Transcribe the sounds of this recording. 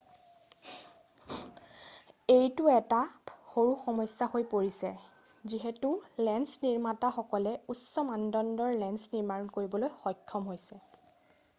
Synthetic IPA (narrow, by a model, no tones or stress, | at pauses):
ejtuɛtaxoɹuxɔmɔsːahojpoɹisɛ | ziɦɛtulɛnsniɹmataxɔkɔlɛusɔmandɔndɔɹlɛnsniɹmaɹɔnkoɹibɔlojxɔjkʰːɔmɦojsɛ